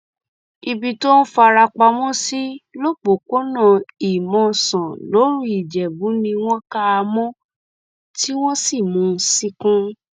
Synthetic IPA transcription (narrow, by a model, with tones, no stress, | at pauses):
i˧bi˧to˦n̩˦fa˧ɾa˧k͡pa˧mɔ̃˦si˦lo˦k͡po˨ko˦nã˦˨i˨mɔ̃˧sã˨lo˨˦ɾu˦i˨d͡ʒɛ˨bu˨˦nĩ˧w̃ɔ̃˦ka˦a˧mɔ̃˦ | ti˦w̃ɔ̃˦si˦˨mũː˨˦si˦kũ˦